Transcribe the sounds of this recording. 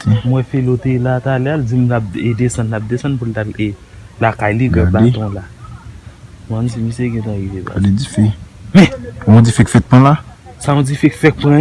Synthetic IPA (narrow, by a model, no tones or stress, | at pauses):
emwɛ̃felot̪elat̪aleald͡zimlap̚ed̪esɐ̃nlap̚d̪esɐ̃npult̪ale | lakajliɡɛbatɔ̃la | mɛ̃nd͡zimĩseɡɛ̃t̪ãɣiveba̰led͡zifemɛ̃mɔ̃d͡zifɛki̥fɛt̪̚pɔ̃lasaɔ̃d͡zifeki̥fɛt̚pũɛ̃